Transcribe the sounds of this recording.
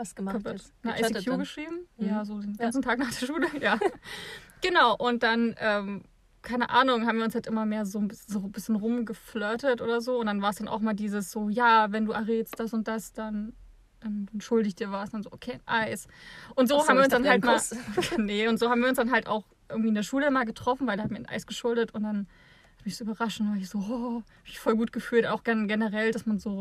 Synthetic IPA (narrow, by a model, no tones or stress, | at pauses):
sɡ̥p | nəʔa̰ɪsijuːɡəʃʁ̥iːbm̩jaːzoːdeːnɡant͡sn̩tʰaːknaːχd̥eːɐʃuːləjaː | ɡ̥ənaʊʔʊnt̚d̥anʔɛːm | kʰaɪnəʔa̰ːnʊŋhaːbmviɐʊnshaltʔɪmɐmeːɐzoːnbɪszoːbɪsçənʁʊmɡəflœːtətʔo̰ːdɐzoːʊntd̥anvaːɐsd̥anʔa̰ʊxʔɪmaːɐldiːzəsz̥oːjaːvɛnduːʔaʁeːtst̚d̥asʊnt̚d̥asd̥an | ʔɛmdanʃʊldɪɪçd̥iːɐvaːsanzoːʔokʰeːnʔaɪsʔʊntz̥oːaːbmviːɐʊnsd̥anhalmanəʊntz̥oːhabm̩viːɐʊnsd̥anɦalta̰ʊx | ʔɪɐɡŋ̩tviːɪndeɐʃuːləmaːlɡətʁ̥ɔfn̩vaɪldehatmiɐnʔa̰ɪsɡ̥əʃʊldətʊntd̥an | hatmɪçz̥oːybɐʁaʃntavaɐɪçz̥oːʔɔ | amɪçfɔlɡuːt̚ɡ̥əfyːltʔaʊxɡ̥anɡenəʁɛldasmanzoː